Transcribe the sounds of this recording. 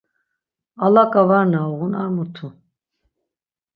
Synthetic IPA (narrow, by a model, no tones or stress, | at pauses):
alakʼavaɾnaɔɣunaɾmut̪ʰu